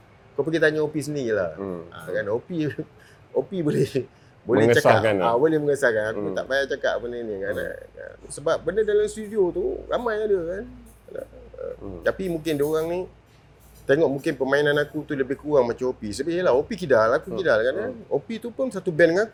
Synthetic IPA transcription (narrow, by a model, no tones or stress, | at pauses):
kawp̬əɡit̪aɲaopis̬əndila̰ha̰kanopi | opibolɛh | bolɛt͡ʃaakabolɪhməŋəsakanakut̪a̰ʔbajaʔt͡ʃaka̰ʔbənənikana̰ə̰səbap̚bənədalamst̪udiot̪uɾa̰majadəkan | na̰ə̰t̪apimũŋkɪndoɾaŋni | t̪eŋɔʔmũŋkɪnpəmainanakut̪uləbɪhkuɣaŋmat͡ʃamopisəbaʔjəlahopikidalakukidalkaanaopit̪upʊnsat̪ubɛnŋaku